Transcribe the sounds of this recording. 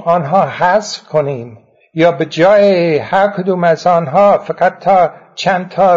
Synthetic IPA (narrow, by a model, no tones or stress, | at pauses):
ɒːnɦɒːhæsfkʰoniːm | jɒːbed͡ʒɒːjehæɾkʰod̪uːmæzɒːnɦɒːfaɡæt̪ʰːɒː | t͡ʃʰænd̪t̪ʰɒː